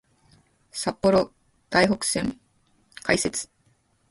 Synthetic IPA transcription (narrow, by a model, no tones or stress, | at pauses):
sapːo̞ɾo | d̪̥aiɦo̞kɯ̟̥sẽ̞ŋ | kaise̞t͡sɨ̥